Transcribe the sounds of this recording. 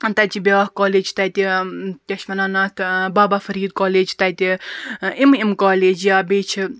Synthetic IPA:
t̪ɐt͡ʃibʲaːhkoːleːd͡ʒt̪ɐt̪it̪ʲɐʃmɐnanɐt̪baːbafɐɾiːd̪̚koːleːd͡ʒt̪ɐjt̪ʲi | imimkaːleːd͡ʒjaːbeːt͡ʃʰi

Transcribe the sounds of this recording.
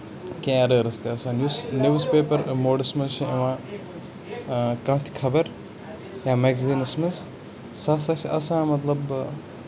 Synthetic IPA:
kẽaɾəːɾɨst̪eɐsãːnjuːsnjuːzpeːpɐɾmoːɖɐsmɐzʃʰiɐʋãː | kɐ̃ːt̪ʰi̥kʰɐbɐɾ | jaːmeːɡziːnɐsmɐz | sɐsaʃʰiʔɐ̰sãːmɐt̪lɐb

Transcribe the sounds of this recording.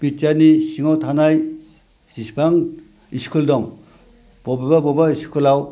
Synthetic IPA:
bitjanisiŋawtʰanaj | sispʰaŋ | iskʰuldɔŋ | b̥ɔbababɔbaiskʰulaw

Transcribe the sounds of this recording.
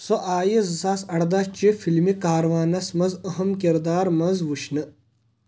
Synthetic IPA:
soʔaːjizɨsaːsɐɽd̪ɐt͡ʃifʰilmikaːɾɐʋaːnɐsmɐzɐɦɐmkiɾd̪aːɾmɐzʋuʃnɨ

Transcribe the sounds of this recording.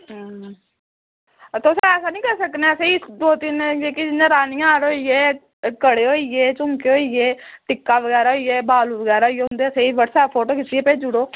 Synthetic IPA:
t̪oːsãɛːsaːnĩːkəɾsəkneseːid̪oːt̪ɪnd͡ʒeːkɪd͡ʒɪnãːɾaːnijãːaːɾoːijeː | kəɽeːɦoːiɡeːt͡ʃʊŋkeːɦoːieːʈɪkːaːʋəɡɛːɾaːɦoːiːeːbaːluʋəɡɛːɾaɦoiːeːɦʊ̃nd̪eːəseːiːʋəɽsaːpʰoːʈoːkit̪iːeːpeːd͡ʒʊɽoː

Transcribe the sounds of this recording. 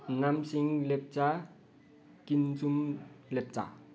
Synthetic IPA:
namsiŋlep̚t͡sa | kint͡sumlep̚t͡sa̰

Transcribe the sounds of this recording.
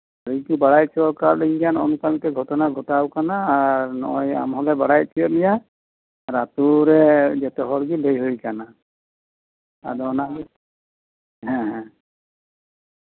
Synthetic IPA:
ɾikubaɾajsʰiɔkaɹleŋiɡanɔnukanikɛɡʱɔtɔnaɡʱɔtawkanaːɹnɔ̰ja̰mɦɔlɛbaɽajsʰiɔnija | ɹatuɹɛzɛtɛɦɔɹɡilejɦojkana | a̰dɔna | ɦɛ̃ɦɛ̃

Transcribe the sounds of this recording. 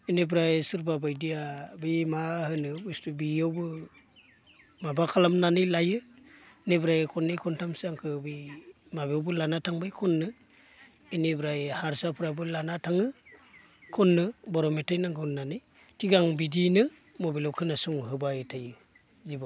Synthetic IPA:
inebɾajsɯɾbabajdijabijmahɯnɯbustubiawbɯ | mabakʰalamnanɯjlajɯnebɾajkʰɔnːɯkʰɔntʰamsaŋkʰɯbɯj | mabiɔwbɯlanatʰaŋbajkʰɔnːɯ | inebɾajhaɾsapʰɯɾabɯlanatʰaŋɯ | kʰɔnːɯbɔɾɔmetʰajnaŋɡɯnnanɯj | tʰiɡaŋbidinɯ | mobilɔwkʰɯnasuŋɦɯbajtʰajɯ | ziba

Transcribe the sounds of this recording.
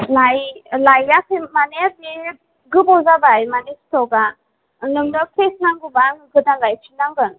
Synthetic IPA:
lajlajakʰɯmaneabi | ɡɯbɔzabajmanistɔɡa | nɯmdɔkʰesnaŋɡɯbaŋɡɯdalajt͡ʃʰinaŋɡɯn

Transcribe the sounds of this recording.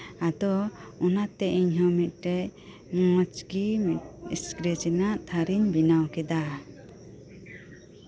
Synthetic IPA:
ad̪ɔɔnat̪ɛʔiɲɦɔmit̪̚ˀʈɛʔ | mɔt͡ʃɡimit̪iskɾet͡ʃɛnaʔt̪ʰaɾiɲbinawkɛd̪a

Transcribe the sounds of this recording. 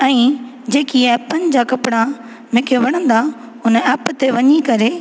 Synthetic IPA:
ɛ̃ː | d͡ʑeːkiɛːpənɪ̆d͡ʑakɐpɽ̃a | mɪ̃ːkʰeʋɐɽ̃ə̃nd̪a | ʊnɛːpt̪eʋɐɲikɐɾe

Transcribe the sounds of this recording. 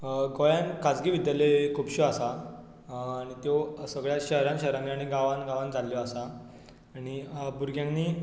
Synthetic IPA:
ɡojãnkad͡zɡiʋid̪jalekʰupɕuasaː | ɽ̃it̪josəɡɭjaɕəɦɾãnɕəɦɾãnnːiaɽ̃iɡaʋanɡaʋãnd͡zʱaljɔasa | aɽ̃ibuɾɡjãŋniː

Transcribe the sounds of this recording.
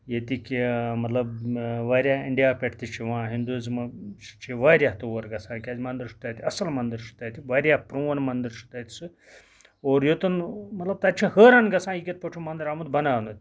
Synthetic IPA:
jet̪ikimɐt̪lɐbʋaːɾʲjaːiɳɖijaːpʲeʈʰt̪it͡ʃʰiʋãːɦind̪uzmɐt͡ʃt͡ʃʰiʋaːɾʲjaːɦt̪ɐʋoɾɡɐsʰãːnkʲaːzʲmɐnd̪ɨɾʃu̥t̪aːt̪ʰiɐsɐlmɐnd̪əɾʃu̥t̪aːt̪ʰiʋaːɾʲjaːpɾũːʋɐnmɐnd̪əɾʃu̥t̪aːt̪ʰi̥sɨ | oːɾjot̪unmɐt̪lɐb̚t̪ɐt͡ʃʰihəːɾanɡɐsãːjikʲet̪̚pɐʈʰumɐnd̪ɐɾamud̪bɐnaːnd̪ɐt̪ʲ

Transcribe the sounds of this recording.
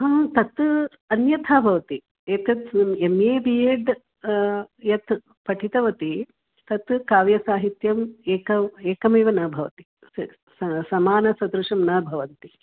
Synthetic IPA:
ɦɐmt̪ɐt̪ | ɐnjɐt̪ʰaːbʱɐʋɐt̪i | eːkɐt̪emeːbieːɖ | jɐt̪ | pɐʈʰit̪ɐʋɐt̪i | t̪ɐt̪kaːʋjɐsaːɦit̪jɐmeːkɐeːkɐmeːʋɐnɐːbʱɐʋɐ̰t̪i̥ | sɐsɐmaːnɐsɐd̪ɾuʂɐmnɐːbʱɐʋɐnt̪i

